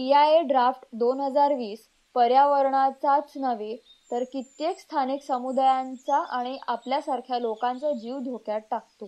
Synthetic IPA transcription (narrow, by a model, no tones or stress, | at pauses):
piaeɖɾafʈd̪onɦəd͡zaɾʋiːs | pəɾjaʋəɾɳat͡sat͡snəʋe | t̪əɾkit̪jekst̪ʰaniksəmud̪ajant͡saʔaɽ̃iʔapljasaɾkʰjalokãnt͡sad͡ʑiʋd̪ʱokjaʈ̚ʈak̚t̪o